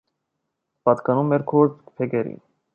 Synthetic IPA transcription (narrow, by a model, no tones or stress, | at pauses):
pɑt̪kɑnumɛɾkʰɔɾt͡spʰɛkɛɾḭn